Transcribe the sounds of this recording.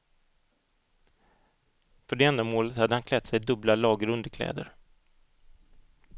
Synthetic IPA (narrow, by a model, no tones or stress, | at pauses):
fœɖɛɛnd̪amoːlət̪had̪ːəhankʰlɛt̪sɛjd̪ɵblalɑːɡəɾɵnd̪əkʰlɛ̰ːd̪ə̰ɾ